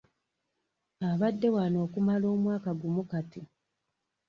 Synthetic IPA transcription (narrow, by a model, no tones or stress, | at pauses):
aβadːe̞wano̞ːkumalo̞ːmwaːkaɡumukati